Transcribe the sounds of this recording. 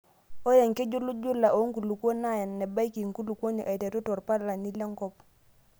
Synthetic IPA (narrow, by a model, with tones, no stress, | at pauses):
o˦ja˨ŋke˦d͡ʒu˦lu˦d͡ʒu˦la˨ʔo˨˦ŋ˦ku˨lu˨kwo˦na˦˨ja˨nːɛ˨ba˦ki˨ŋku˦lu˨ko˦ɲo˨ʔa˨te˨tu˦tɔ˨ɾpa˦ɾla˨ni˦lɛ˦ŋkɔ˦p